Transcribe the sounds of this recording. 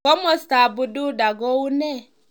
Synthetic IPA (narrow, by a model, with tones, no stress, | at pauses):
ɔ˦mɔ˦sta˨bu˨du˦da˨ɡɔ˦u˦nɛ˦